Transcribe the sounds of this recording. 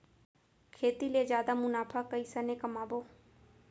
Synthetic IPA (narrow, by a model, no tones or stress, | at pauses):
kʰeːt̪ileːd͡ʒjaːd̪aːmʊnaːpʰaːkəiːsəneːkəmaːboː